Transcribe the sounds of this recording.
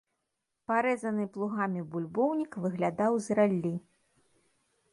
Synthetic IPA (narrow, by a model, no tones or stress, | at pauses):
paɾɛzɐnɨplˠuɣamʲibulʲbɔwnʲikvɨɣlʲad̪awzralʲːi